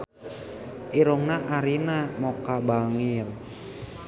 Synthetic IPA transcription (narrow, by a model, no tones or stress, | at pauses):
ʔiɾɔŋnaʔaɾinamɔkabaŋir